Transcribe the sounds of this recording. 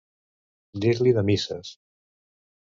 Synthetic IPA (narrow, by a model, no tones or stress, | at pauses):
d̪iɾliðəmisəs